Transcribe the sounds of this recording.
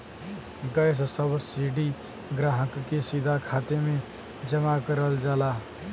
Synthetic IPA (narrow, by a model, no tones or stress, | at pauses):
ɡəɪs̬səbsiːɖi | ɡɾaːɦəkːesid̪ʱakʰaːt̪emẽ | d͡ʒəmakəɾəld͡ʒaːlaː